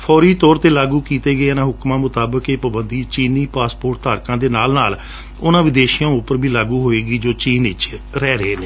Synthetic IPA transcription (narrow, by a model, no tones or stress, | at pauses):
pʰɔːɾiːt̪ɔːɾt̪eːlaːɡuːkiːt̪eːɡəeːənãːɦʊkmãːmʊt̪aːbəkeːpəbənd̪iːt͡ʃiːniːpaːspoːʈ̚t̪aːɾkãːd̪eːnaːlnaːl | ʊnãːʋɪd̪eːʃɪjãːʊpəɾbʱiːlaːɡuːɦoːeːɡiːd͡ʒoːt͡ʃiːnɪt͡ʃɾɛːɾeːneː